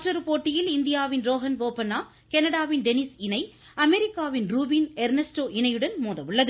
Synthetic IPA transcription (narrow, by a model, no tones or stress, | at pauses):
ʈɾɐɾpoːʈːɪjɪlɪnd̪ɪjaːʋɪnɾoːɦɐnʋoːpɐnaː | kɛnɐɽaːʋɪnɖɛnɪsɪnɐɪ | ɐmɛɾɪkːaːʋɪnɾuːbiːnɛɾnɐsʈoːʔɪnɐjɯɽɐnmoːðɐʋɯɭːɐðɯ